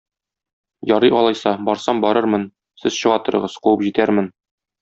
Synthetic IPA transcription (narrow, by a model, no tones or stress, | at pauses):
jɒɾɤʔɒlˠɑjsɑbɒɾsɑmbɒɾɤɾmɤn | sɘz̥ɕɤ̆ʁɑt̪ɤ̆ɾɤ̆ʁɤzquwɤpʑit̪æɾmɘn